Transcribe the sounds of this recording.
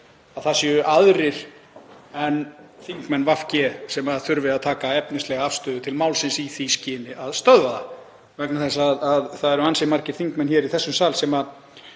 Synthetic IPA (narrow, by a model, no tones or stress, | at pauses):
aðθasjɛʏʔaðɾɪɾ̥ | ɛnːθiŋkmɛnːvafcɛsɛmaθʏɾvɪðaðt̪ʰaːkaɛpnɪslɛɣaafst̪ʏːðʏt̪ʰɪlmawlsɪnsiθiscɪːnɪʔaðst̪œðvaða | vɛknaθɛsːaðaðθaðɛɾansɪmaɾ̥cɪɾ̥θiŋkmɛnçɛːɾiθɛsːʏmsaːlsɛma